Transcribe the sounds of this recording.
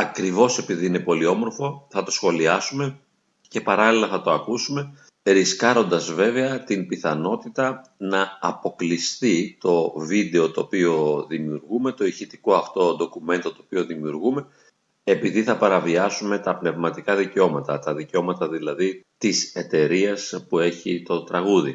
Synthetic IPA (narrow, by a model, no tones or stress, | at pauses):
ɐkɾivo̞se̞piðiːne̞po̞lio̞mo̞ɾfo̞θɐt̪o̞sxo̞liɐsume̞ | ce̞pɐɾɐlilɐθɐt̪o̞ɐkusume̞ | ɾiskɐɾo̞nd̪ɐzve̞ve̞ɐt̪impiθɐno̞t̪it̪ɐnɐːpo̞klist̪it̪o̞vid̪e̞o̞t̪o̞ːpio̞ðimiuɾɣume̞t̪o̞içit̪iko̞ɐft̪o̞d̪o̞kume̞nt̪o̞t̪o̞ːpio̞ðimiuɾɣume̞ | epiðiθɐpɐɾɐviɐsume̞t̪ɐpne̞vmɐt̪ikɐðiceo̞mɐt̪ɐt̪ɐðiceo̞mɐt̪ɐðilɐðit̪ise̞t̪e̞ɾiɐspue̞çit̪o̞t̪ɾɐɣuðḭ